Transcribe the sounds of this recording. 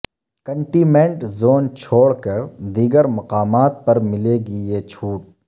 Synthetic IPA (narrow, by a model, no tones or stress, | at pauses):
kə̃ɳʈiːmẽɳʈzoːnt͡ʃʰoːɽkəɾd̪iːɡəɾmɐqaːmaːt̪̚pɐɾmɪleːɡiet͡ʃʰuːʈ̚